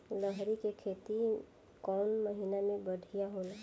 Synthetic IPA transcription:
ləɦɾikekʰeːt̪i | kɔːnməɦinamẽbəɽʱijaɦola

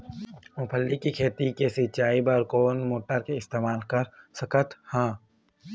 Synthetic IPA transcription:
mʊ̃pʰəlːikikʰeːt̪ikesɪt͡ʃaːibaːɾkoːnmoːʈəɾkeɪst̪eːmaːlkəɾsəkət̪hãː

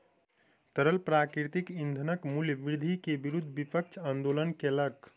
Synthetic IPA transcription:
t̪əɾəlpɾakɾit̪ikind̪ʱənəkmuljəʋɾd̪ʱikebiɾud̪ʱːbipək̚t͡ʃʰand̪olənkelək

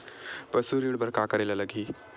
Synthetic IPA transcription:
pəsuɾiɽbəɾkakəɾelaləɡʱiː

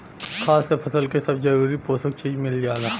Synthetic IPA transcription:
kʰaːsːepʰɐsəlkesɐbzɐɾuːɾipoːsək̚t͡ʃiːd͡ʒmɪld͡ʒaːɡ̪aː

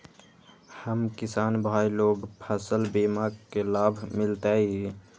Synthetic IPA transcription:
həmkɪsaːnbʱaːiloːɡpʰəsəlbimaɡkelaːbʱmɪlt̪ai

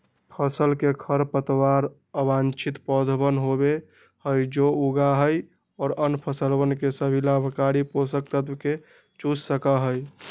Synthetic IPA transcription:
pʰəsəlkekʰəɾpət̪waɾ | əbant͡ʃʰit̪pɔd̪ʱbənɦobe | həjd͡ʒouɡaɦəj | ɔːɾənpʰəsəlbənkesəbʱilabʱəkaɾiposək̚t̪ət̪bke | t͡ʃussəkəɦəj

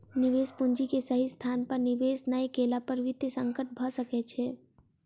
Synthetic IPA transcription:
nɪʋeːspʊnd͡ʒikesəɦist̪ʰaːnpəɾniʋeːsnəjkeːlapəɾʋɪt̪jəsə̃ŋkəʈ̚bʱəsəkɛt͡ʃʰɛː

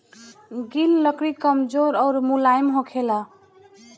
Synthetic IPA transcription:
ɡilːəkɾikəmd͡ʒoɾɔʊɾmulajmɦõkʰela

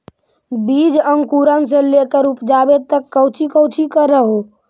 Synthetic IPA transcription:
bid͡ʒəŋɡkuɾəns̬ẽlekəɾupd͡ʒabet̪əkːəwt͡ʃʰikəwt͡ʃʰikəɾːəɦo

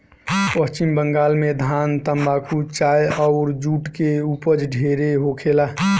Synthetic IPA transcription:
pəst͡ʃimbəŋɡaːlmed̪ʱaːnt̪əmbakʰut͡ʃajɔʊɾd͡ʒuːʈkeupəd͡ʒɖʱeɾeɦokʰelaː

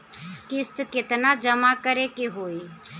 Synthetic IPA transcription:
kɪst̪kɪt̪nad͡ʒəmakəɾekeɦoːi

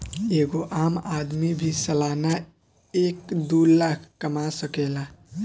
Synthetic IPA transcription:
eɡoʔamad̪mibʱisəlana | ekd̪ulakʰkəmasəkela

